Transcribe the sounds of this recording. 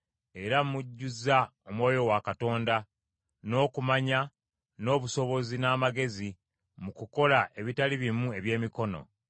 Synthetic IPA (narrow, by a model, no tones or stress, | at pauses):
e̞ɾamuɟːuzaomwo̞ːjo̞wakato̞ːnda | no̞ːkumaɲa | no̞ːβuso̞βo̞zinaːmaɡe̞zi | mukuko̞laʔe̞βitaliβimue̞βje̞ːmiko̞no̞̰